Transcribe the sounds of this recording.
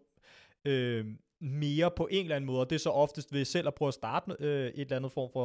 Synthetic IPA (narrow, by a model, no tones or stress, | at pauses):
ø | me̝ːɐpʰɒ̽ʔe̝n̰dlænəmɔ̽ːð̩ˠɒ̽d̥e̝ɐsɒ̽ʔɒ̽fd̥əsd̥ʋe̝sel̰ʔæpʰʁœːʊæsd̥ɑ̈ːd̥øʔe̝d̥lænð̞̩ˠfɒ̰ːmfɒ̽